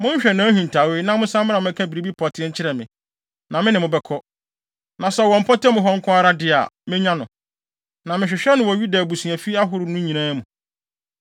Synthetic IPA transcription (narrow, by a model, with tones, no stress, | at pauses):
mʊ̃˦ɲ̩˦ɕᶣɛ˨nãː˨˦hũ˨n˨tʰa˨we˦nã˦mʊ̃˦sã˦m̃˦a˨mʊ̃˦ɛ˦kʰã˦bi˨ɾi˨bi˦pʰɔ˨tʰɪ˦ɛ˦ɲ̩˦t͡ɕʰɪ˦ɾɛ˨mɪ̃˨ | nã˨mɪ̃˦nɪ̃˨mʊ̃˨bɛ˦kʰɔ˦ | nã˨sɛ˦wɔ̃˨m̩˨pʰɔ˦tɛ˦mʊ̃˨ɦɔ˦ŋ̩˦kʰʊ̃˦a˦ɾa˦dɪ˦a̰˨mɪ̃˦ɲã˦nʊ̰̃˨ | nã˨mɪ̃˨ɕᶣɪ˨ɕᶣɛ˦nʊ̃˨wɔ̃˨ɥu˦da˨bu˨sũ˨a˨fi˦a˦ɦʊ˦ɾʊ˨nʊ̃˦ɲĩ˨nãː˦mũ˨